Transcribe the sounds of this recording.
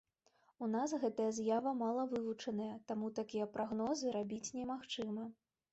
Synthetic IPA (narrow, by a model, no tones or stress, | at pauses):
unasɣɛt̪ɐjɐzjavɐmalˠɐvɨvut͡ʂɐnɐjɐt̪amut̪akʲijɐpɾaɣnɔzɨɾabʲit͡sʲnʲɛmaxt͡ʂɨmɐ